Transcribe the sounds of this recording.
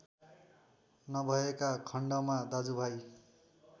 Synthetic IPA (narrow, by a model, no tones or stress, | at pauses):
nʌbʱʌekakʰʌɳɖʌmad̪ad͡zubʱaj